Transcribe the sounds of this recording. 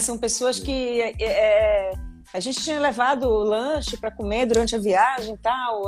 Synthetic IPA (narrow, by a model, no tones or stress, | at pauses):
sɐ̃w̃pesoɐskɪɛɛ | aʒẽnt͡ʃɪ̥t͡ʃĩɲɐlevad̪ʊlɐ̃ʃɪpɾɐkomed̪uɾɐ̃nt͡ʃɪɐviaʒẽj̃t̪aw